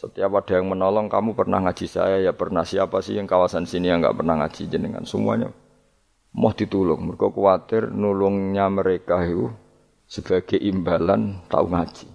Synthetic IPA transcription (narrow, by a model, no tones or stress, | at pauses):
sət̪iapad̥ajaŋmənɔlɔŋkamupərna̰hŋad̥d͡ʒ̥i̤sa̰jajapərnahsiapasɪ̰jaŋkawasansinijaŋɡa̰ʔpərnahŋa̰d̥ʒ̥id͡ʒənəŋa̰nsəmṵa̰ɲa̰ | mɔhd̥i̤t̪ulʊŋməkokuat̪ɪrnulʊŋɲaməɾekau | səb̥a̤ɡ̥ajʔimbalant̪a̰ṵŋḁʒ̥i̥